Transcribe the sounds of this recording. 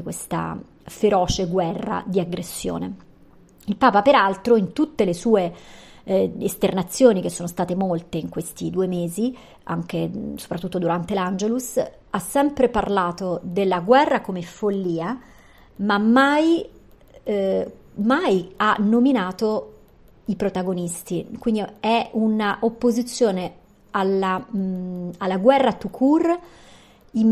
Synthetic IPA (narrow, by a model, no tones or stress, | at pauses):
kwest̪a̰ | feɾɔːt͡ʃeɡwɛrːa̰d̪iaɡɾesːjo̰ːnḛ | ilpaːpapeɾalt̪ɾoint̪ut̪ːelesuːe | est̪ernat̪sːjoːnik̟esːoːnost̪aːt̪emolt̪eiŋkwest̪id̪uːemeːzi | a̰ŋk̟eso̥pɾat̪ːut̪ːod̪uɾant̪eland͡ʒelus | asːɛmpɾeparlaːt̪od̪elːaɡwɛrːakomefolːiːa | mamːaj | majanːominaːt̪o | ipɾot̪aɡonist̪ikwind̪iɛunaʔopːozit̪sːjoːne | ala | alːaɡwɛrːat̪ukʰur | im